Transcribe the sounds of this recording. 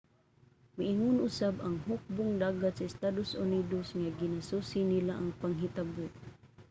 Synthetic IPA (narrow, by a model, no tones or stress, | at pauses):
mɪʔiŋʊnʔʊsabaŋhʊk̚bʊŋdaːɡat̪saɪst̪ad̪osʊnidosŋaɡɪnasusinilaʔaŋpaŋɦit̪abʊʔ